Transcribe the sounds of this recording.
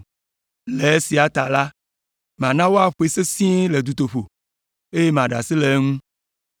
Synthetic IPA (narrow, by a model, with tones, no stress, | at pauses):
le˨e˦si˨a˨t̪a˨la˦ | mã˨nã˦wo˦a˦ɸo˦e˨se˦sĩ˦e˦le˨d̪u˨t̪o˨ɸo˨ | e˦je˦mã˨ɖa̰˨si˦le˨˦ŋũ˦